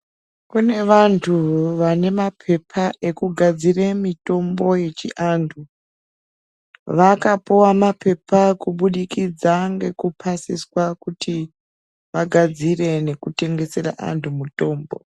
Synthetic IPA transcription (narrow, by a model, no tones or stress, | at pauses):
kune̞ʋantʰuʋane̞mapʰe̞pʰae̞kuɡʱad͡ziremito̞mbo̞je̞t͡ʃiʔantʰu | ʋakapuwamape̞pakuɓuɗikid͡zaŋɡe̞kupʰasiswakutʰi | ʋaɡʱad͡zire̞ne̞kute̞ŋɡe̞se̞ra̰ʔa̰ntʰumuto̞ːmbo̞̰